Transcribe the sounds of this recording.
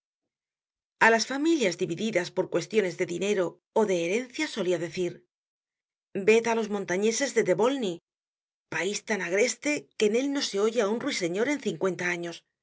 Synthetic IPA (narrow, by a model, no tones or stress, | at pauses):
alasfamiljazðiβiðiðaspo̞ɾkwe̞st̪jo̞ne̞zðe̞ðine̞ɾo̞ː | ðe̞ːɾe̞nθjaso̞liaðe̞θiɾ | be̞t̪alo̞zmo̞nt̪aɲe̞se̞zðe̞ðe̞βo̞lni | paist̪anaɣ̞ɾe̞st̪e̞ke̞ne̞lno̞se̞o̞ʝeaunrwise̞ɲo̞ɾe̞nθiŋkwe̞nt̪aaɲo̞s